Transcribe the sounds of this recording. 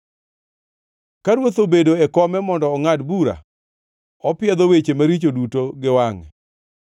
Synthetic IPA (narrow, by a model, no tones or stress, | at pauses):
kaɾwot̪obedoɛkɔmɛmɔndɔːŋadbuɾa̰ | ɔpɪjɛd̪owet͡ʃemaɾit͡ʃodutoɡɪwaŋɛ